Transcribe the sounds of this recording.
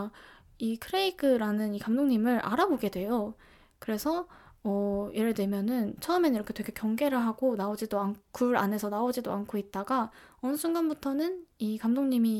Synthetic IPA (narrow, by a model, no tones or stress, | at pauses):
ikʰɯɾe̞iɡɯɾanɯnikamdoŋɲimɯɾʔa̰ɾaboɡe̞dwe̞jo | kɯɾe̞sʰʌʌje̞ɾeɭdwe̞mjʌnɯnt͡ɕʰʌɯmeniɾʌkʰetwekʰekjʌŋɡe̞ɾɯɭɦaɡ̥onaod͡ʑidoankʰuɾa̰ne̞sʰʌnaod͡ʑidoankʰoit̚t͈aɡaʌnɯsʰunɡanbutʰʌnɯnikamdoŋɲimi